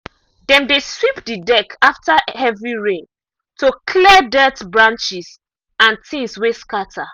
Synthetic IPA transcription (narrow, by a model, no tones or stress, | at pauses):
dɛ̃ndeswipdidɛkʰaftahɛvɹiɹẽn | tokʰlidɛtbɹãnt͡ʃis | ãntʰĩnsweskatʰa